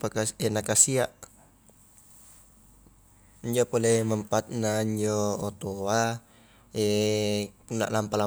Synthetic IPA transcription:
pakaɛnakasiaʔ | ɲd͡ʒɔpɔlɛməmpat̪̚naɲd͡ʒɔːt̪oa | ɛ | kuna̰ʔlampala

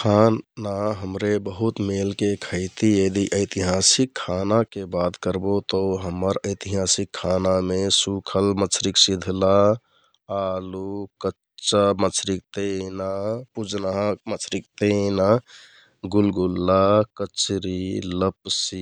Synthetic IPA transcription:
kʰanaɦəmɾebəɦut̪melkekʰəɪt̪ied̪iʔəɪt̪iɦaːsikʰːanakebad̪kəɾbot̪əɦəməɾəɪt̪iɦaːsikʰːanamesukʰəlmət͡ʃʰɾiksid̪ʱla | aːlukə | t͡ʃamət͡ʃʰɾik̚t̪enapud͡ʒnaɦamət͡ʃʰɾik̚t̪ena | ɡulɡulːakət͡ʃɾiləpsi

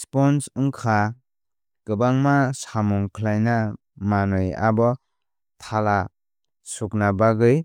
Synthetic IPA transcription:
spɔnsɯŋkʰa | kɯbaŋmasamuŋkʰlajna | manɯja̰bɔ | tʰala | suknabaɡɯj

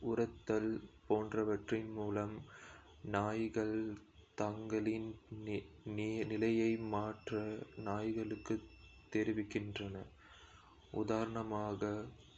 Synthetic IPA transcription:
ʊɾɐt̪ːɐlpoːndrɐʋɐʈrɪnmuːlɐm | naːjɣɐɭt̪ɐŋɡɐlɪn | nɪlɐjɐɪmaːʈrɐnaːjɣɐɭɯkːɯt̪ːɛɾɪʋɪkːɪndrɐnɐ | ʔʊ̰ðaːɾɐɳɐmaːɣɐ

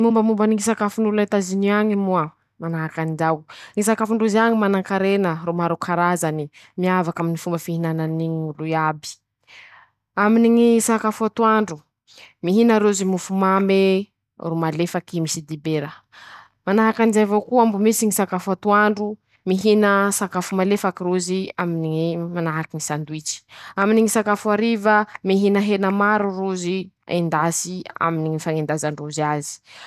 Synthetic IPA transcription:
mumbəmumbaniŋisakafunulat̪aziniaɲimua | manaɦakand͡ʒawŋisakafuɳɖ͡ʐuzaŋimanaŋkaɾenəɾomaɾokʰaɾazani | miavakaminifumbəfihinananiɲluabi̥ | aminiŋisaakafuat̪uaɳɖ͡ʐu | miɦinaɾezimufumame | rumalefakimisid̪ibeɾə | manaɦakanizavokuambumisiŋisakafat̪uaɳɖ͡ʐu | miɦinəsakafumalefakiɾuziaminiŋimanaɦakiŋisand̪uit͡ʃi̥aminiŋisakafuaɾivəmiɦinəɦenəmaɾuruziḛnd̪asia̰miniŋifaŋend̪azaɳruziazi̥

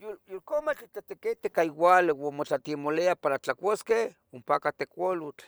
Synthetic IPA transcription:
juljolkomat͡ʃit͡ɬat̪eket̪ekaiwalewamot͡ɬat̪imoleapaɾat͡ɬakʷoske | ompakat̪ekʷolut͡ɬ

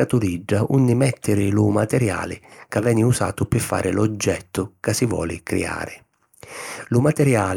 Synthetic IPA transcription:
at̪uliɖːaʔunːɪmɛt̪ːɪɾɪlʊmat̪ɛɾja̰ːlɪ̰kavːɛːnɪusa̰ːt̪ʊpɪfːa̰ːɾʔɪlɔd͡ʒːɛt̪ːʊkasɪvwɔ̰ːlɪ̰kɾɛ̰a̰ːɾɪ | lʊmat̪ɛɾjaː

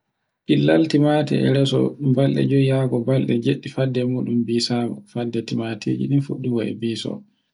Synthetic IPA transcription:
ʔilːaltimatɛ̰ɛ̰ɾɛsɔ̰balɗɛ̰d͡ʒɔjaɡɔbalɗɛd͡ʒeɗːifadːɛmuːɗumbiːsaɡɔ̰fadːɛtimatʰḭːd͡ʒḭninfuɗːuɡɔɛ̰biːsɔ̰

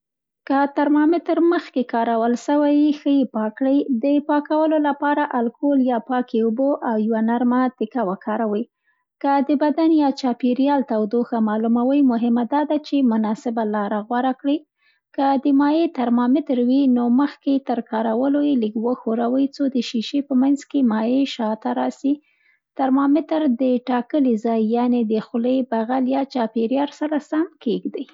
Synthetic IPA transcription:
kət̪aɾmɑmɪt̪ɾməxkekɑɾawəlʃəwajixəjepɑkɽəjd̪əpɑkawəlolapɑɾaʔalkoljɑpɑkeuboʔawjwanaɾmat̪ɪkawakʰɑɾawəj | kəd̪əbad̪anjɑt͡ʃɑpiɾjɑlt̪awd̪oxamɑlumawəjmʊɦɪmad̪ɑd̪at͡ʃemʊnɑsɪbalɑɾaɣwaɾakɽi | kəd̪əmɑjet̪aɾmɑmɪt̪ɾwinoməxket̪əɾkɑɾawəlojeliɡwəxoɾawəjt͡sod̪əʃiʃepəmanzkemɑjeʃɑt̪aɾɑsi | t̪aɾmɑmɪt̪ɾd̪əʈɑkəlizɑjːɑned̪əxʊləjbaɣaljɑt͡ʃɑpeɾjɑɾsaɾasamkeɡd̪əj

